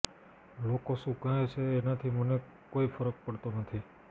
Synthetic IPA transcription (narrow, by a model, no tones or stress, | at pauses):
lokosukaɦet͡ʃʰeːnat̪ʰiməne | koifəɾək̚pəɽt̪onət̪ʰi